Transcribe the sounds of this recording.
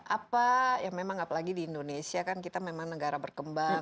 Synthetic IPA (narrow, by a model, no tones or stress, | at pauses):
ʔapajaŋmemaŋapalaɡidiːndonesiakankit̪amemaŋnəɡaɾabərkəmba